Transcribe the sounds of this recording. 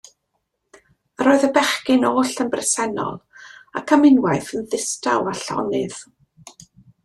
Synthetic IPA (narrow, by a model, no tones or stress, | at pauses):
əɾoːɨðəbɛχkɪnoːɬənbrɛsɛnɔ̰lˠa̰kʰamɪnwajθənðɪstawaɬɔ̰nɨð̥